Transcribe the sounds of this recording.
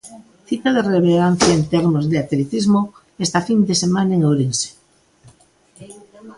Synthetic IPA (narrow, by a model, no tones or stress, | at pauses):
θit̪aðereβeɣanθjaent̪eɾmozðeat̪let̪izmo | est̪afind̪esemanaeŋoɾense̥